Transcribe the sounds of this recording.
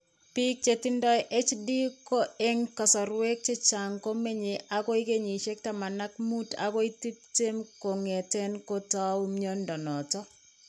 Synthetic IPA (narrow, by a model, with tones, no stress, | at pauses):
pi˦k̚t͡ʃe˨ti˦ndɔ˦jʔe˦t͡ʃdi˦ko˦e˦ŋkɔ˨sɔ˨ɾwe˦k̚t͡ʃe˦t͡ʃa˨ŋko˦me˦ɲe˨ʔa˦kɔ˦i˦ke˦ɲi˨ʃe˦k̚ta˨ma˨na˦kmu˦ta̰˨kɔ˦i˦ti˦pte˦mko˨ŋe˨te˦nko˦ta˦wmjɔ˦ndɔ˨nɔ˨tɔ˦